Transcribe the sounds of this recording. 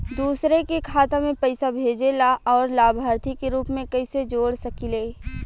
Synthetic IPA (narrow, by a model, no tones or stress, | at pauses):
d̪uːsɾekekʰaːt̪amẽpɐɪsabʱeːd͡ʒelaɔːɾlaːbʱaːɾt̪ikeɾuːpmẽkɐɪsed͡ʒoːɽsɐkileː